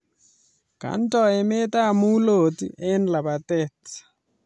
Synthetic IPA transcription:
ka̰˨n˦tɔ˨e˨me˦ta˦˨mu˦lo˨tḭʔɛ˦nla˨ba˨tɛ˦tḁ

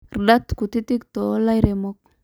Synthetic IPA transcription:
rda˦t̪ku˨t̪i˦t̪i˦kt̪o˨˦la˦jɾe˨mo˦k̚

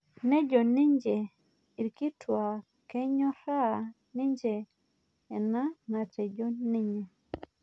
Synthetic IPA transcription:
nɛ˦d͡ʒɔ˨ni˦ɲd͡ʒɛ˨ | i˨ɾki˦twa˨ | kɛ˦ɲɔ˦ɾa˦ | ni˦ɲd͡ʒɛː˨ | na˦na˨tɛ˨d͡ʒɔ˦ni˦ɲɛ˨

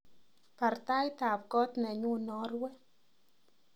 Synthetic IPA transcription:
pa˨ɾt̪a˦jt̪a˨p̚kɔ˦t̪nɛ˨ɲu˦nɔ˦rwɛ˦

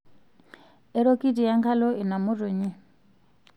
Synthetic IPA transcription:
ɛ˦ɾo˦ki˦di˨ja˦ŋkʰa˦lɔ˦ʔi˨na˨mʊ˦ɾu˨ɲi˦

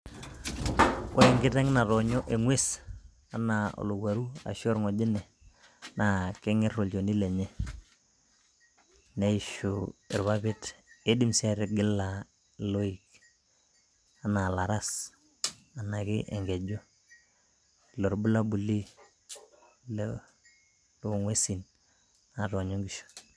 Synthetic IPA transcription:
ʔo˦e˨ŋɡɪ˦ta˦ŋ˦na˨ɾɔ˨ɲɔ˦ʔe˨ŋwe˦s | a˨˦na˨o̰˨lo˨ɡwa˨ɾu˦a̰˨ʃo˦ɾŋo˨d͡ʒɪ˦nɛ˨ | na˨kɪ˦ŋɪ˦ro˨ld͡ʒo˨ni˦le˨ɲɛ˦ | ne˦i˦ʃuɪ˨ɾβa˦βɪ˦te˦di˦msɛ˦ɾɪ˨ɡɪ˦lːa˨ | lo˦i˨k | a˨na˨la˨ɾa˦s | a˨na˨kɪ˦ʔḛ˨ŋɡe˨d͡ʒo˦˨ | lo˨ɾbu˦la˦bu˨li˦ | l | lo˦˨ŋwe˦si˨n | na˨to˨ɲo˦ŋɡi˨ʃu̥˨

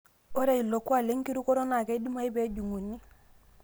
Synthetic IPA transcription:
o˦ɾe˨i˨lo˨ku˦a˨le˦ŋki˦ɾu˦ko˦ɾo˦na˨ke˦di˦ma˦i˦be˦ɟu˨ŋu˨nːi˦

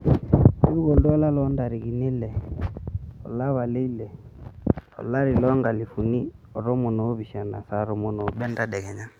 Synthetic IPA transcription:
u˦ɾu˦ɡo˨ldɔ˦ɔ˦la˦lɔ˨˦nda˨ɾi˨ɡi˨ne˦lɛ˨ | ɔ̰˨la˦βa˨le˦i˦lɛ˨ | ɔ̰˨la˦ɾi˨lɔ˦ŋɡa˨li˨fu˨ni˦ɔ˨ɾɔ˦mo˨no˨˦βi˨ʃa˨na̰˨sa˦ɾo˨mo˦no˨˦bɛ˦nda˦dɛ˨ɡɛ˨ɲa˦

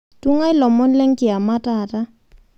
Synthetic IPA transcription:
tu˦ŋa˦ɪ˦lɔ˨mɔ˦nlɛ˦ŋkɪ˨a˨ma˦ta˨ta˦

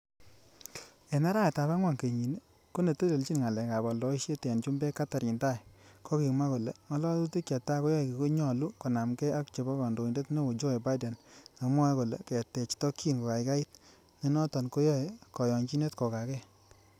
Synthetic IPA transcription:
e˨na˦ɾa˦˨ta˨ba˦ŋwa˨ŋke˨ɲi˨ne˦ | ko˦ne˨te˦le˨lt͡ʃi˦nŋa˨lɛ˨ka˨bɔ˨lɔ˨i˦ʃe˦tɛ˨nt͡ʃu˦mbe˦ka˦ta˨ɾi˨nta˦jkɔ˦ki˨ma˦ko˨le˨ŋɔ˦lɔ˦tu˦ti˦ka˨ta˦ko˦jɔ˦˨ki˨ko˦ɲɔ˨lu˦ko˨na˨mkɛ˦a˦kt͡ʃe˨bɔ˦kɔ˨ndo˨i˨nde˦tne˦ko˨d͡ʒo˦e˨ba˦i˦dɛ˨nŋa˨mwɔ˦ko˨lḛ˨kɛ˨tɛ˨t͡ʃtɔ˦kʰːi˦nko˨ka˨jka˦i˦t̚ | ne˨nɔ˦tɔ˨nko˦jɔ˦e˨kɔ˨jɔ˨ɲt͡ʃi˦ne˦tkɔ˨ka˨kɛ˦

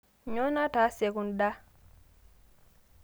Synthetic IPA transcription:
ɲo˦na˦ta˨˦se˨ku˨nda˦

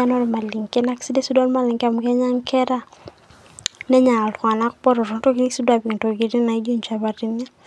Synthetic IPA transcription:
a˦nɔ˦n˨ma˨li˨ŋke˦na˦ki̥˦si˦de˦si˦da˦nma˨lɪ˨ŋka˦˨mu˨kɛ˦ɲa˦ŋkʰɛ˦ɾa˦ | nɛ˦ɲa˨lka˨na˦kpɔ˦ɾɔ˨ɾɔ˨˦to˦ki˦ni˦si˦dwa˨bi˨ŋto˨ɡi˦ɾi˦na˨i˦d͡ʒu˦ɲt͡ʃa˨βa˨ri˦na˦

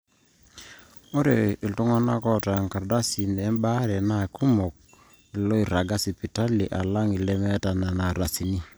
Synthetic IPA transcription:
o˦ɾe˨i˨ltu˦ŋa˦na˦kɔ˦˨ta˨ŋka˨da˦si˨ne˨˦mba˦ɾɛ˨na˦˨ku˦mo˨k̚ | i˨lo˦i˨ɾa˨ɡa˦si˨pi˨ta˦li˨ʔa˨la˦ŋi˨lɛ˦mɛ˦ta˨na˨na˨ɾa˨si˨ni˦

